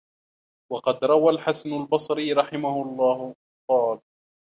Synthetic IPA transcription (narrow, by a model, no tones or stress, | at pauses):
wɑqɑd̪ɾˤɑwalħasanʊlbɑsˤɾiːɾˤɑħɪmahʊɑlˤːɑːh | qɑːl